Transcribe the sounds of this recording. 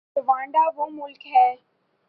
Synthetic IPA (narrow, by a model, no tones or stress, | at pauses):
ʋãːɳɖaːʋoːmʊlkɦɛː